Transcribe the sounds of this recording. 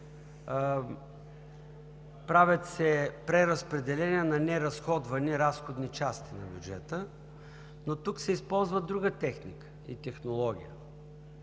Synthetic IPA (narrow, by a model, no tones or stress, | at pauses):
pɾavʲət̪sɛpɾɛɾɐspɾɛd̪ɛlɛniɛnɐnɛɾɐsxɔd̪vɐniɾasxod̪nit͡ʃast̪inɐ̰bʲjud͡ʒɛt̪ə | not̪uksɛispɔlˠzvəd̪ɾuɡət̪ɛxnikə̥ḭt̪ɛxnolˠɔɡ̟ʲḭjə